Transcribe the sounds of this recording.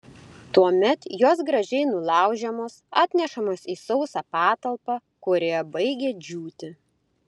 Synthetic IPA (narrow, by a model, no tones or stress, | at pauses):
t̪uɔmʲɛt̪joːsɡɾɐʒʲɛɪnʊlˠɑˑʊʒʲɛmoːsɑːt̪ʲnʲɛʃɐmoːsiːsɔʊsɑːpɑːt̪ɐlˠpɑː | kʊɾʲeːɛbɐɪɡʲeːd͡ʒʲuːt̪ʲɪ